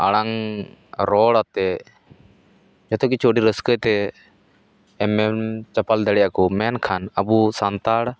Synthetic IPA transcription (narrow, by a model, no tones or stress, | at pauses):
ə̰ɽaŋ | ɾoːɽat̪e | d͡ʒət̪ʰokit͡ʃʰoːɖiːɾəskət̪e | emet͡ʃəpəld̪əɽjaːkoːmeːnkʰanəbuːsant̪aːɽ